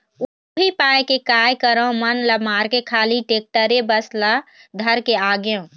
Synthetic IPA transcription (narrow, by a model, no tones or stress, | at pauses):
bʱipajkekajkəɾəmənləbmaɾkekʰaliʈek̚ʈəɾebəslad̪ʱəɾkeaɡjõ